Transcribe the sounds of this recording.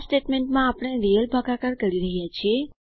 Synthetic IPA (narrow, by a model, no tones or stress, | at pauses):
sʈeʈmeɳʈmãapɳeɾijəlbʱaɡakaɾkəɾiɾəɦjat͡ʃʰie